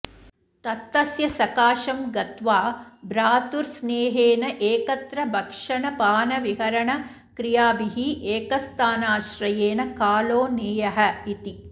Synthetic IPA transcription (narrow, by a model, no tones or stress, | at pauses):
t̪ɐt̪ːɐsjɐsɐkaːʃɐmɡɐt̪ʋaːbɾaːt̪uɾsneːɦeːnɐʔeːkɐt̪ɾɐbʱɐkʂɐɳɐpaːnɐʋiɦɐɾɐɳɐ | kɾijaːbiɦiʔeːkɐst̪ʰaːnaːʃɾɐjeːnɐkaːloːneːjɐɦɐ̆it̪i